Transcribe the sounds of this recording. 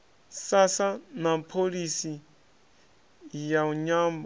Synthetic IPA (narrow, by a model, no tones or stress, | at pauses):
sasanapʰolisi | jauɲaːmb